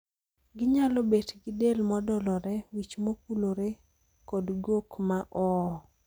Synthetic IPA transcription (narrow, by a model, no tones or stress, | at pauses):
ɡɪɲalɔbetɡɪdelmɔdɔlɔɾɛwit͡ʃmok̚uloɾe | kɔdɡokmaʔɔ